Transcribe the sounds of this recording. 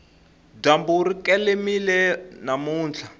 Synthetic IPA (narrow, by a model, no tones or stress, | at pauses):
dambuɾikɛlemilɛnamuːnt͡ɬʰa